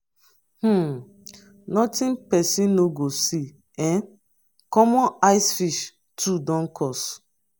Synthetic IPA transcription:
h̩ | nɔtĩnpɛsĩnnoɡosi | ɛ̃n | kɔmɔ̃naɪsfiʃ | tʰudɔ̃n̩kʰɔs

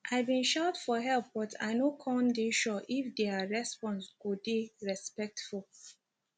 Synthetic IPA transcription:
ʔajbĩnʃaʊtfɔɦɛlˠp̚bɔtʰa̰ɪnokʰɔ̃ndiʃɔʔifdɛaɹɛspɔ̃nskudiɹɛspɛk̚tful

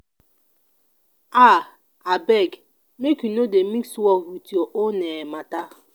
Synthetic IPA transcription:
a | abeɡ | mekinodemiksɔɦutioʔonemata

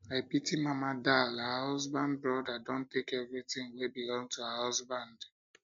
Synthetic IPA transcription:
aɪpitimamadalahɔzbãnd̚bɹɔdadõntekɛvɹitɪ̃ŋwebilɔ̃ŋtuahɔzbãnd

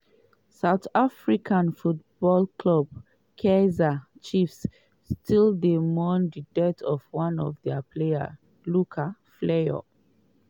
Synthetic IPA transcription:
saʊtafɹikʰãnfut̚b̥ɔlkʰlɔb̚ | kʰezat͡ʃifsː | tʰilˠdemɔndidɛtʰɔvwãnɔvdɛapʰlea̰ | lukʰafleɔ̰

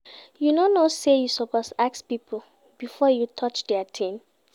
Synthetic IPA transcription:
junonosejusɔpɔsak̚spipʰl̩ | b̥ifɔjutʰɔt͡ʃdɛatʰẽn

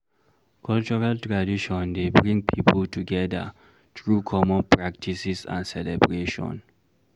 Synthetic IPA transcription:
kʰɔlt͡ʃɔɹaltɹadiʃɔ̃ndebɹĩŋɡ̚pʰipʰəltuɡɛda̰ | t̪ɹukʰɔmɔ̃npɹak̚tʰisisã̰nsɛlɛbɹeʃɔ̰̃n

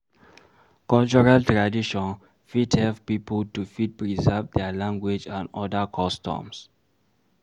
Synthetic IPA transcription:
kɔlt͡ʃɔɹaltɹadiʃɔ̃n | fidhɛlppipəltufid̚pɹizəvdɛəlãŋɡwed͡ʒãnɔdakʰɔstɔ̰̃ms

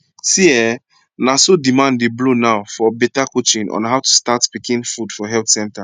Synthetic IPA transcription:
siɛ | nasodimãndeblonaʊfɔbɛtakot͡ʃĩnɔ̰̃nɦaʊtʰu̥statpikĩnfudfɔɦɛltsɛ̃nta

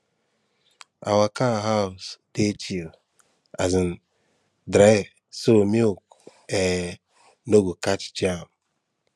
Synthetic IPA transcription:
a̰wakaɦaʊsdet͡ʃil | azɪn̩ | dɾaɪv | somiok | e | noɡukat͡ʃd͡ʒam

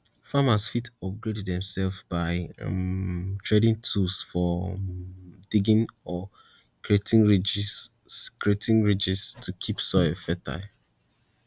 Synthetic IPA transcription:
famasfitɔp̚ɡɹedɛdðɛ̃msɛlfzbaɪ̰ | tʰɹedĩŋtʰusfɔ | d̥iɡĩnɔ | kɹietĩŋɹ | kʰietĩŋɹid͡ʒistʰukʰipsɔɛfɛtʰa̰l

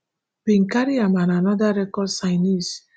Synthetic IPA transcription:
biŋ̩kaɾiamananɔdaɾɛkɔdsaɪnis

